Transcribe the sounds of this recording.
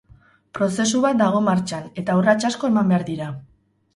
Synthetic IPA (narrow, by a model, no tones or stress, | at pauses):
pɾo̞se̞suβat̪̚d̪aɣ̞o̞maɾt͡ʃane̞t̪aurat͡ʃasko̞e̞mambe̞aɾðiɾa